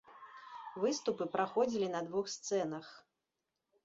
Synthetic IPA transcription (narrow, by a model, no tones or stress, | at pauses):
vɨst̪upɨpɾaxɔd͡zʲilʲinɐd̪vuxst̪sɛnɐx